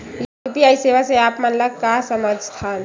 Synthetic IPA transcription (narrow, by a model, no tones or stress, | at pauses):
jupijajseʋaseapmanləkkːasəməd͡ʒʱst̪ʰan